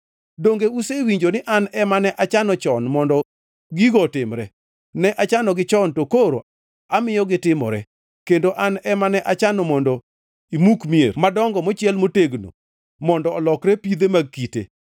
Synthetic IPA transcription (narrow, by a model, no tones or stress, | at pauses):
doŋɡeusewiɲd͡ʒonɪʔanɛmanɛʔat͡ʃanɔt͡ʃɔnmɔndɔ | ɡiɡɔtɪmɾɛ | nɛʔat͡ʃanɔɡɪt͡ʃɔntokoɾo̰ | amɪjɔɡɪtɪmɔ̰ɾɛ̰ | kendoʔanɛmanɛʔat͡ʃanɔmɔndɔ | imukmiḛrmadɔŋɡɔmɔt͡ʃɪɛlmoteɡno̰ | mɔndɔːlɔkɾɛpid̪emaɡ̚kitḛ